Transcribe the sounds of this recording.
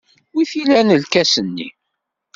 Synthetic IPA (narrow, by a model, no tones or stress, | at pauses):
wiθilænəlkæsənːḭ